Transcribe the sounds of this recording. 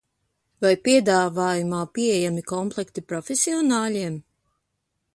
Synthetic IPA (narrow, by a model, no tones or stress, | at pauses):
vajpiɛd̪aːvaːjumaːpiejamikɔmplˠɛkt̪ipɾɔfesiɔnaːʎiɛm